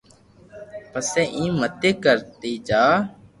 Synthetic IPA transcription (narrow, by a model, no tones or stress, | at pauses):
pəsɛːʔĩːmət̪eːkəɾt̪iːd͡ʒaː